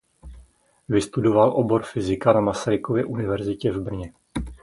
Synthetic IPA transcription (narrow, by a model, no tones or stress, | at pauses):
vɪst̪udo̞valʔo̞bo̞ɾfɪzɪkanamasaɾɪko̞vjɛʔunɪvɛɾzɪcɛvbr̩ɲɛ